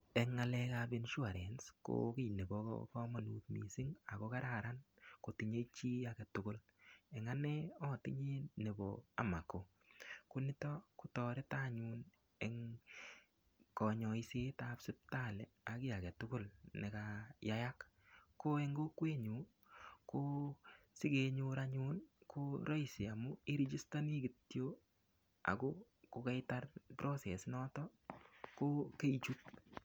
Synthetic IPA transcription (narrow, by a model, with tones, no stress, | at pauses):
e˨ŋːa˧lɛ˧kabi˦nʃwa˨ɾe˨nsko̰˦ki˦˨jne˨bo˨ko̰kɔ˦ma˨nu˨t̪̚mḭ˨sɪ˦ŋa̰˨ko˦ka˦ɾa˨ɾa˦nko˨ti˨ɲe˦t͡ʃi˦jakɛ˨tʊ˦kʊ˦l | e˨ŋa˦ne˦ɔ˦˨tɪ˦ɲe˦ne˨bo̰a̰˨ma˨ko˨ | ku˦nɪ˦tɔ˦ku˦tɔ˨ɾɪ˦ta˦ɲu˦n | e˨ŋ | kɔ˨ɲɔ˨i˦se˦tapsɪ˦p̚ta˦˨lɛ˨a˨kɪ˦ja˨kɛ˨tʊkʊ˦lne˨kajaja˦kː | o˦e˦ŋɡo˦kwe˦ɲu˨ | ko˦sɪ˦ke˧ɲuɾaɲu˦nkʰoɾɔ˦ise˨a˨mu˦i˦ɾi˦d͡ʒi˦stani˦ɡɪ˨tjo˦ | a̰˨ko˦ | ko˧kɛ˦jta˦rpɾo˦se˨snɔ˦tɔko˦ke˦it͡ʃut̚